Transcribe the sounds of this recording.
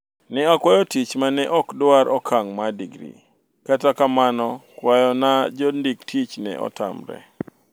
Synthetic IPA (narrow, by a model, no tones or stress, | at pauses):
nɪakwajɔtit͡ʃmanɛʔɔkdʊaɾɔkʰaŋmadiɡɾḭ | katakamanɔkwajɔnad͡ʒɔndiktʰit͡ʃnɛ̰ʔɔ̰ta̰mɾɛ̰